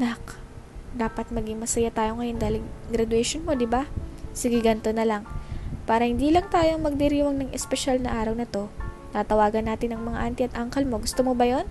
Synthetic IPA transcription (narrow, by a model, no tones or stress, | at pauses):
nak | d̪aːpɐt̪̚mɐɡɪŋmɐsɐjat̪aːjo̞ŋɐjo̞nd̪aːlɪɡɾɐd̪ʊɛʃonmo̞d̪ɪbasɪɡɪɡant̪onɐlaŋpaːɾɐhɪnd̪iːlɐŋt̪aːjo̞mɐɡ̚d̪ɪɾiːwɐŋnɐŋʔɛspɛʃalnɐʔaːɾɐwnɐt̪o̞ | t̪aːt̪ɐwaːɡɐnːaːt̪ɪnɐŋmɐŋa̰ʔant̪ɪɐt̪ʔaŋkɐlmo̞ɡʊst̪omobɐjo̞n